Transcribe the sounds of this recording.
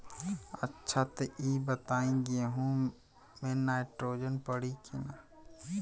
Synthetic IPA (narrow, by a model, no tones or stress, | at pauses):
ɐtːʃʰat̪eʔiːbət̪aːĩɡeɦũ | mẽnaːɪʈɾoːd͡ʒənpɐɽikʰinaː